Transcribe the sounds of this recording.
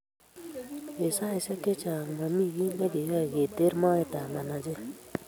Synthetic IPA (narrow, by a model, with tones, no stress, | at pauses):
e˨sa˦i˨sɛ˦ke˦t͡ʃa˨ma˨mi˦˨ɡi˦ne˦ɡe˨ja˦˨ɡe˨te˦ɾmɔ˦e˦t̪a˨ma˨na˨d͡ʒe˦